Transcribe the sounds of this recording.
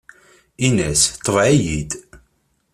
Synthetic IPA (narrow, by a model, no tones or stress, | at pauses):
inæst̪ˤːəvʕijid̪